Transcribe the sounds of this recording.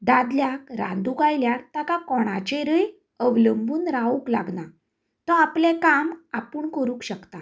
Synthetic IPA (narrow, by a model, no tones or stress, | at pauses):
d̪ad̪ljakɾã̰nd̪ukajljaɾt̪akakɔɽ̃at͡ɕẽɾəj | əʋləmbuːnɾaukla̰ɡna | t̪ɔ̃aplẽkamapuːɳkəɾũːkɕəkt̪a